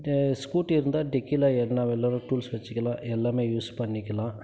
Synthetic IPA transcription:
skuːʈːɪɾɯnd̪aːɖɪkːilaːɛnːaːʋɛlːaːɾũʈuːlsʋɐt͡ʃːɯkːɐlãːʔɛlːaːmeːjuːspɐɳːɪkʲːɐlãː

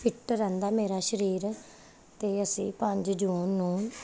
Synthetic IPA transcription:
pʰɪʈɾɛ̃ːnd̪aːmeːɾaːʃəɾiːɾ | t̪eːəsĩːpəɲd͡ʒd͡ʒuːnːũː

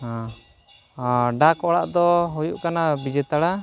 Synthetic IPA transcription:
ã | ɖakɔɽa̰ʔd̪ɔɦujuʔkanabid͡ʒɛt̪aɽa

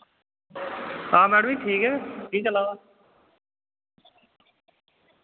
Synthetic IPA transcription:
aːmɛːɽmĩːʈʰiːkɦɛːkiːt͡ʃəlaːa

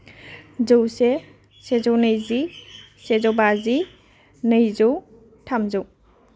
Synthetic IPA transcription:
zowse | sezownɯjzi | sezɔwbazi | nɯjzow | tʰamzow

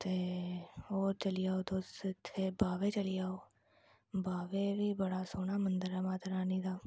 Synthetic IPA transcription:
t̪e | oːt͡ʃɐlijaːod̪oːset̪ʰebaːʋet͡ʃɐlijaːo | baːʋebʱibɐɽasoːnamɐ̃nd̪əɾamaːt̪ɐɾaːnid̪aː

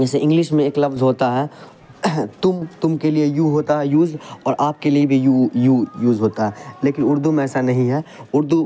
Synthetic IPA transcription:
d͡ʒɛːseʔɪ̃ŋɡlɪʃmẽeːklɐfzɦoːt̪aɦɛː | t̪ʊmt̪ʊmkeliejuɦoːt̪aɦɛjuːzɔːɾʔaːp̚keliebʱijujuːjuːzɦoːt̪aɦɛːleːkɪnʊɾd̪umẽɛːsanɐɦĩɦɛːʊɾd̪u

